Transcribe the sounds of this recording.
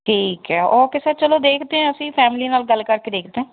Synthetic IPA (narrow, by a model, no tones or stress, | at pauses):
ʈʰiːkɛːoːkɪseːt͡ʃəloːd̪eːkʰd̪eːɛ̃ːəsĩːpʰɛːmɪliːnaːlɡəlːkəɾkeːd̪eːkʰd̪eɛ̃ː